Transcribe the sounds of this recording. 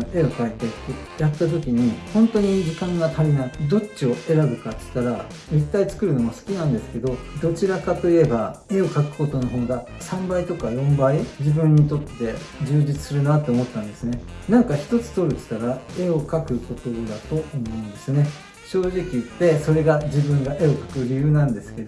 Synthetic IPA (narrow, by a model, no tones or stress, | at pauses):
e̞o̞kait̪e̞t̪ːe | jat̪ːat̪̬o̞kʲiɲ̟ihõ̞nt̪o̞ɲ̟id͡ʑikãŋɡat̪aɾʲinad̪o̞t͡ɕio̞ʔe̞ɾabɯ̟kat̪ɨ̥t̪ːaɾa | it̪ːait͡sɨ̥kɯ̟ɾɯ̟no̞masɨ̥kʲinãnd̪e̞sɨ̥ke̞d̪o̞d̪o̞t͡ɕiɾakat̪o̞ie̞bae̞o̞kakɯ̟̥ko̞t̪o̞no̞ɦo̞ːɡ̪a | sãmbait̪o̞kajõ̞mbaid͡ʑibɯ̟̃ɲ̟ːit̪̬o̞t̪ːe̞d͡ʑɨːd͡ʑit͡sɨ̥sɨɾɯ̟nat̪ːe̞omo̞t̪ːãnd̪e̞sɨne̞nãŋkaçi̥t̪o̞t͡sɨ̥t̪o̞ɾɯ̟t̪i̥t̪aɾae̞o̞kakɯ̟ko̞t̪o̞d̪at̪o̞ːmo̞ɯ̟̃nd̪e̞sɨne̞ | ɕo̞ːʑikʲit̪e̞so̞ɾe̞ɡad͡ʑibɯ̟̃ŋɡaʔe̞o̞kḁkɯ̟ɾʲijɯ̟ːnãnd̪e̞sɨ̥ke̞d̪o̞